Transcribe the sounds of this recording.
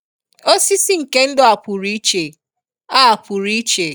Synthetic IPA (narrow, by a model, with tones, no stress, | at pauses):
o˦si˦si˦ŋ̩˨ke˦n̩˦dʊ˨a˨pʊ˨ɾi˦t͡ʃe˨ | a˦a˨pu˨ɾi˦t͡ʃe˨